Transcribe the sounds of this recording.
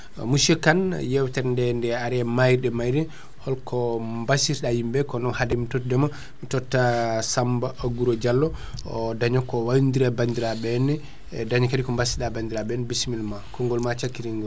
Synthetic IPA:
muʃɛkanjɛwtɛɾndɛndɛaɾɛmajɗɛmajɾɛ | hɔlkɔmbasiɾɗahimbɛkɔnɔnhadɛmitɔtdɛma | mitɔtːasambaʔaɡuɾɔd͡ʒalːɔ | daɲɔkɔwandiɾabandiɾaɓɛnɛ | daɲakadikɔmbasiɗabandiɾaɓɛnbismilmakɔŋɡɔlmat͡ʃakːiɾiŋɡɔ

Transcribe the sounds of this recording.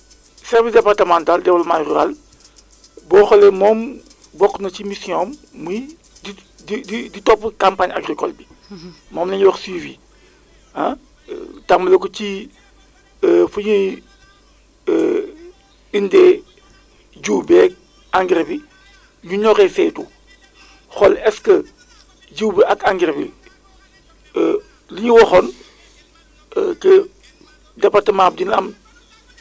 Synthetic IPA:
sɛɾvisdɛpartɐmantaldɛwɐlmaːjruɾa̰l | bɔːxɔlɛmɔːm | bɔkːnɐcimisijɔːmː | uj | di | dididitɔpːkampaɲa̰ɡɾikɔ̰lbi | mɔːmnɛɲuwɐxswivi | hã̰ | tamɐlɐkɔci | fuɲu | indɛ | d͡ʒuːbɛːk̚ | aŋɡiɾbi | ɲuɲɔkɛfɛtu | xɔlɛskɐ | d͡ʒuwbakaŋɡɾbḭ | liɲiwoxɔn | kə | dɐpatɐmaːp̚dinɐm

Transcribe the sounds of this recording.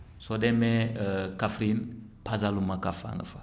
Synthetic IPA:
sodɛmɛkafɾinpazalumakafa̰ŋɡə̰fa

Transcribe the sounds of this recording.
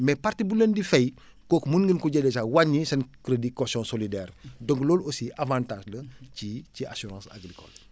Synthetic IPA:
mɛpartibulendifɛj | kɔːkmunɡənkuɟɛdɛsawaɲːisɐnkɾədikɔsɔ̃solidɛːrdɔ̃ŋklɔːlosiʔavãntaːʒlɐcicia̰suɾɑ̃ːsa̰ɡɾikɔ̰l

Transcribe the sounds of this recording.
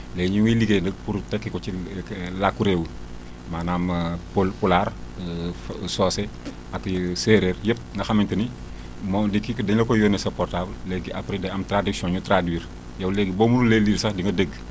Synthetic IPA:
lɛːɡɲiwiliɡenəɡ̚puɾtɛkːikɔt͡ʃilakːuɾewu | maːnamplpular | sɔːse | akseɾeːrjəp̚ŋɡɐxamintɐni | mɔdikːikədɐɲlɐkɔjoːnɛsɐpɔrtabllɛɡiʔapɾidɛɐmtɾadiksjɔ̃nɲutɾadwiːɾ | jɐwlɛɡiboːmunuleliɾsɐhdiŋɡɐdəɡ

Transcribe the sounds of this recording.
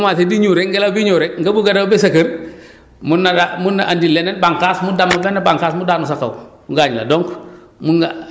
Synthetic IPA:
matediɲuɾeŋɡelabiɲuːɾɛkŋɡabuɡadawbɛsɐkəɾ | munːadamunːaʔandilɛnanbaŋkasmudamulɛnabaŋkasmudaːnusaka̰muɡaɲla̰dɔŋk | muŋɡa

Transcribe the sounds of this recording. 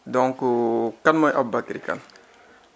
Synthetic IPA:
dɔŋkukanmɔjʔabːakiɾika̰n

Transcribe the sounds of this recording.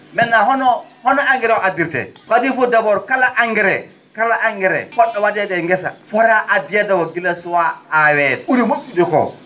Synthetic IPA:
mɛnːaɦɔnɔhɔnɔaŋɡɛɾɛoʔadiɾtɛ̰kadifodabɔɾkalaʔaŋɡɛɾɛ | kalaʔaŋɡɛɾɛ̰fɔɗːɔwadɛdɛŋɡɛsa̰fɔɾaʔadijadawoɡilasuwaːwɛduɾiwutːudikɔ̰

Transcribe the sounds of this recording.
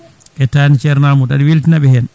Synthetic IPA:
ʔɛtanit͡ʃɛɾnamuɗaɗiwiltinaɓɛhɛn

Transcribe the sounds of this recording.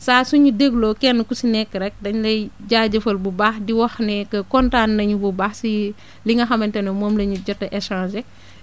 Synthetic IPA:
saːsuɲudeɡlɔːkɛnːkusinɛkːəɾɛk̚dɐɲlɐjɟaːɟɐfɐlbubaːxdiwɐxnɛkəkɔntaːnːɐɲububaːxsi | liŋɡɐxɐmɐntɐnɐmɔːmlɐɲuɟɔtːɐʔɛʃãːʃɛ

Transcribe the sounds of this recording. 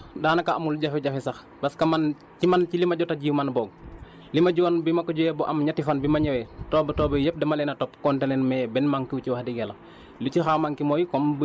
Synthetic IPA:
daːnɐkaʔamulɟɐfɛɟafɛsɐx | bɐskɐman | cimancilimɐɟɔtaɟimanbɔːɡ̚ | limɐɟuwanbimɐkɔɟuɛbɔʔɐmɲatifanbimɐɲɛwɛtɔːbɐtɔːbɐjɛp̚dɛmalɛnɐtɔpkɔntɛnɛnmɛbɛnmaŋkiwciwaxdiɡɛlɐ | lucixamaŋkimɔjkɔmb

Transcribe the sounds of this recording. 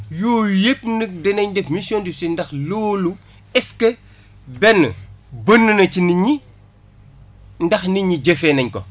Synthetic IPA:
joːjepnək̚dɛnɐɲdɛfmisiɔndisɛndɐxloːlu | ɛskə | bɛnbənːunɐciniɲi | ndɐxniɲiɟefɛnɐɲkɔ̰

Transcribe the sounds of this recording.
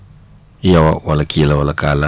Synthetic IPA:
ijawawalakilawalakaːla

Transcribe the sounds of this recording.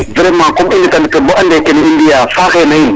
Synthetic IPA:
viɾemakumindikandikəboʔandekinindijafaxenajin

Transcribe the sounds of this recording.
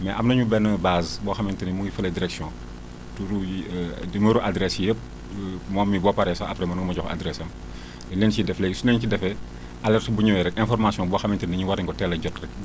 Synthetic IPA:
mɛʔɐmnɐɲubɛnːəbaːzbɔːxɐmɛntənimuŋɡifɐlɐdiɾɛksijɔ̃ | tuɾudiməɾuʔadɾɛsjəp̚ | mɔːmːibɔpaɾɛsɔɐpɾɛmɐnɡmɐɟɔxa̰dɾɛsɐm | lɛlɛnsidɛflɛjsunɛɲcidɛfɛ | ʔalɛrtbuɲɐwɛɾɛkɛ̃nfɔrmasijɔ̃bɔːxɐmɛntənɐɲuwaɾiŋkɔtɛlɐɟɔtrɛk̚

